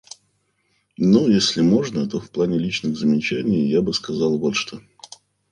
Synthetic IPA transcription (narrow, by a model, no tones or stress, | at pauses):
nujesʲlʲɪmo̞ʐnət̪o̞fplˠanʲɪlʲit͡ɕnɨɣzəmʲɪt͡ɕænʲɪjjabɨskɐzɑlˠvot̪ʂt̪o